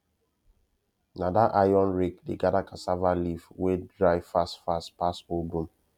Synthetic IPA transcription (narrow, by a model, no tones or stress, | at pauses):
nadaʔajɔ̃nɹek̚deɡadakʰasavalivwedɹaɪfastfaspasobũm